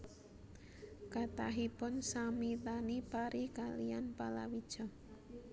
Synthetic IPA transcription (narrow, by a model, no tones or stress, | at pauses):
kat̪aɦipʊnsamit̪anipaɾʔikalijanpala̰wid̥ʒ̥ɔ